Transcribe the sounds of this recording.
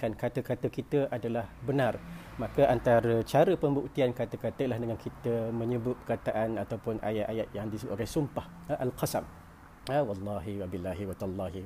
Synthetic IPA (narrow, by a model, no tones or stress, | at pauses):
kankat̪əkat̪əkit̪əʔadalahbənar | makəʔant̪aɾət͡ʃaɾəpəmbuk̚t̪iankat̪əkat̪əilahdəŋankʰit̪əmə̃ɲəbʊt̪̚pəkat̪aʔanat̪awpʊnʔa̰jaʔajaʔ̪̚jaŋdisəbuʔolejsumpah | ʔalqɑsam | awɑlːɑɦiwabilːaɦiwat̪alːɑɦi